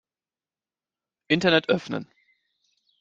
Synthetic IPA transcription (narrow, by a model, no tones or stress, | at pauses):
ʔɪntɐnɛtʔœfnə̰n